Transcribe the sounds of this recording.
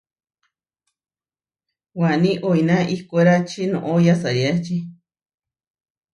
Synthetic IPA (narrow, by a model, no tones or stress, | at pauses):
wanĩʔoinãʔihkoɾat͡ʃinõ̰ʔojasaɾiat͡ʃi